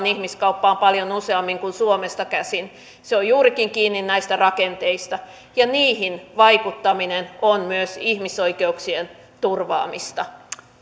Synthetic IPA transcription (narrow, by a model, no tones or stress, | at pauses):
nihmiskɑupːɑːmpɑljonuseɑmːiŋkunsuomest̪ɑkæsin | seojjuːɾikiŋkiːnːinnæist̪ærɑkent̪eist̪ɑ | jɑniːhinʋɑikut̪ːɑminenonmyøsihmisoikeuksien | t̪urʋɑ̰ːmist̪ɑ